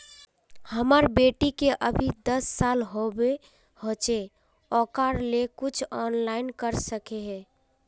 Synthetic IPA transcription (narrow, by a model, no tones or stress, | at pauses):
həməɾbeʈikeʔəbʱid̪əsːalɦobe | hot͡ʃe | ɔkaɾlekut͡ʃʰɔnlaɪnkəɾsəkeɦɛ